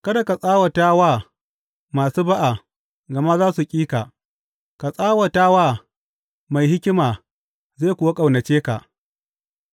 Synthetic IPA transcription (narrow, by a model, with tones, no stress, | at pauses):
kɐ˦da˨ka˨sʼaː˦wɐ˨taː˦waː˦˨ | maː˨suː˦ba˦ʔa˨ | ɡɐ˨ma˦zaː˦su˨kʲʼiː˦ka˨ | ka˨sʼaː˦wɐ˨taː˦waː˦ | ma˨jɦɪ˦kʲɪ˦maː˨ | ze˦˨kʷʊ˨wa˦kʼa˨wnɐ˨t͡ʃeː˦ka̰˨ʔ